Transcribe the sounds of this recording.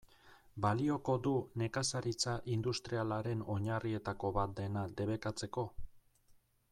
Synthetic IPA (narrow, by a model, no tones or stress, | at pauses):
balio̞ko̞d̪une̞kasaɾit͡saʔind̪ust̪ɾialaɾe̞no̞ɲarie̞t̪ako̞βat̪̚d̪e̞nad̪e̞βe̞kat͡se̞ko̞